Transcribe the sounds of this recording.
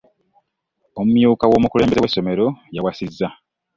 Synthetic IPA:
o̞mumjuːkawo̞ːmukule̞ːmbe̞zwesːo̞me̞ɾo̞jawasizːa

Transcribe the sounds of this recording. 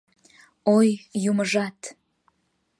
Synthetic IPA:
ojjuməʒɑt̪

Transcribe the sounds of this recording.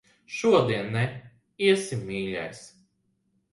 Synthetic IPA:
ʃuɔd̪iɛnːɛ | iɛsimiːʎʲa̰js

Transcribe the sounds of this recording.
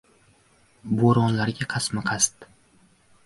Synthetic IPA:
boɾɒnlaɾɡʲaqʰɑsmaqʰɑst̪

